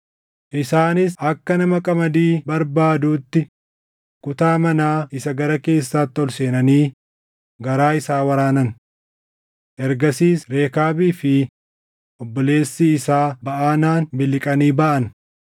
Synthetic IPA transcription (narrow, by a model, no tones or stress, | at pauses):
ʔɪsaːnɪsʔɐkːɐnɐmɐkʼɐmɐd̪iːbɐɾbaːd̪uːt̪ːɪ | kʊt̪aːmɐnaːɪsɐɡɐɾɐke̞ːsːaːt̪ːɪɔlse̞ːnɐniː | ɡɐɾaːɪsaːwɐɾaːnɐn | ʔɛɾɡɐsiːsɾe̞ːkaːbiːfɪ | ʔɔbːɔle̞ːsːiɪsaːbɐʔaːnaːnbɪlɪkʼɐniːbɐʔɐn